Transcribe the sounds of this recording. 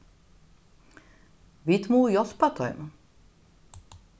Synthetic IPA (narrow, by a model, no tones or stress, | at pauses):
vit̪muːjɔspat̪ɔ̰jm